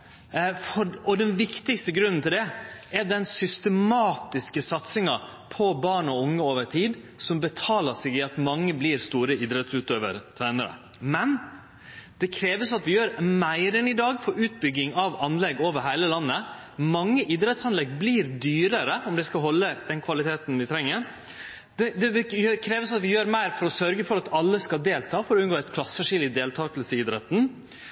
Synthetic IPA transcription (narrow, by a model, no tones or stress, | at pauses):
fɔɔd̪ɛnʋɪkt̪ɪkst̪əɡɾʉnːnt̪ʰɪld̪ɛɛɾɖ̪ɛnsʏst̪əmɑːt̪ɪskəsɑt̪sɪŋɑ | pʰɔbɑːɳɔʊŋːəoːʋəʈʰiːd̪ | sɔmbət̪ʰɑːləsɛɡɪɑt̪mɑŋːəbliːɾst̪uːɾəɪd̪ɾɛt̪sʉːt̪øːʋə̰ɾt̪ʰæːnəɾə̰ | mɛn | d̪̥ɛkʰɾeːʋəsɑt̪ʋɪjøːɾmæɪɾənɪd̪ɑːɡfɔɾʉːt̪̚bʏɡːɪŋɑʋɑnlɛɡoːʋəɾɦæɪləlɑnːə | mɑŋːəʔɪd̪ɾɛt̪sɑnlɛɡbliːɾd̪yːɾəɾəɔmd̪ɛskɑɦɔlːəd̪̥ɛnkʰʋɑlɪt̪ʰeːt̪n̩ʋɪt̪ʰɾɛŋːəɾ | d̪ɛd̪ɛʋjøkʰɾeːʋəsɑt̪ʋɪjøːɾmæɪɾfɔɾɔsœɾɡəfɔɾɑt̪ɑlːəskɑd̪eːlt̪ʰɑːfɔɾɔʉnɡoːɛt̪kʰlɑsəʂɪlɪd̪eːlt̪ʰɑːklsəɪd̪ɾɛt̪n̩